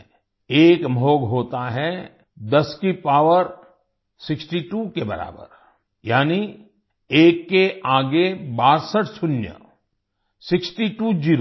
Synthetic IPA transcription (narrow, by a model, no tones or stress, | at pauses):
eːkmʱoːɡɦoːt̪aɦɛ | d̪ɐskipaːʋəɾ | sɪksʈiʈuːkebɐ̰ɾa̰ːbə̰ɾ | jaːni | eːkːeaːɡebaːɾsəʈʰsʊnjə̰ | sɪksʈiʈuːd͡ʒiːɾo